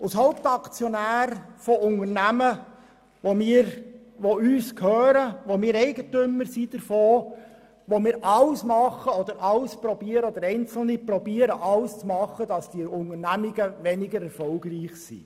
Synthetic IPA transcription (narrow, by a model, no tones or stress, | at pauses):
ʊshɑʊpt̪ɑkt͡sjɔnæːɾfɔʔʊŋərnæmə | ʋomiːɾ | ʋoyːskʰhøːɾəʋomiːɾɛɪɡətʏmːəɾsid̥̪əɾfoː | ʋomiːɾʔɑlsmɑχːəɔd̪əɾʔɑlspɾɔbiːəɾəɔd̥̪əɾɛɪnt͡sl̩nipɾɔbiːəɾəʔɑlst͡smɑχːədɑsd̥iʊŋəɾnæmɪɡəʋɛnɪɡəɾɛɾfɔlɡɾiːχsḭ